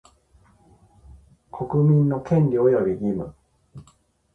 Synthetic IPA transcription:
kʰo̞kɯmʲĩnːo̞kʰẽ̞nɾʲiojobʲiɡʲimɯ

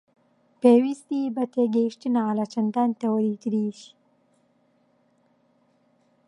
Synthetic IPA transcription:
pewist̪ibat̪eɡeʂʈinalat͡ʃand̪ant̪awəɾit̪ɾiʃi̥

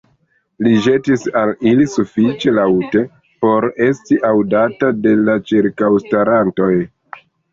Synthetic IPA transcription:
liʒe̞tisalilisufit͡ʃe̞lawte̞ | po̞ɾe̞stiʔawdatade̞lat͡ʃiɾkawstaɾanto̞j

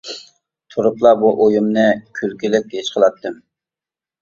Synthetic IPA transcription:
t̪ʰuɾʊplˠɑbuʔojumnɨkʲʰylkʲilɪk̚ʲɡeʃqʰəlˠɑt̪ʰːɨm

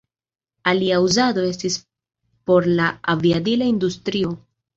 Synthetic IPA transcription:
aliauzado̞e̞s̬tis | po̞ɾlaaviadilaindustɾio̞

